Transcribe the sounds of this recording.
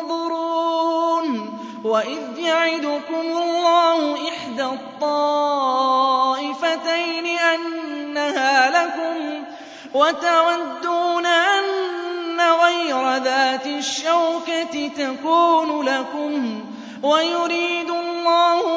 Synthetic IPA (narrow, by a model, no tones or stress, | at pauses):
ðˤʊɾuːn | waʔɪðjaʕɪd̪ʊkʊmlˤːɑːhʊʔɪħd̪aːt̪ˤːɑː | ʔɪfat̪ajnɪʔanːahaːlakʊm | wat̪awad̪ːuːnaʔanːaɣɑjɾˤɑðaːt̪ɪʃːawkat̪ɪt̪akuːnʊlakʊm | wajʊɾiːd̪ʊlˤːɑːhʊ